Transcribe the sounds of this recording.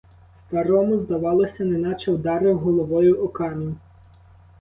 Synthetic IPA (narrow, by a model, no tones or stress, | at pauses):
st̪ɐɾɔmʊzd̪ɐʋɑlˠɔsʲɐnenɑt͡ʃɛwd̪ɑɾɪɦɔlˠɔʋɔjʊʔɔkɑmʲin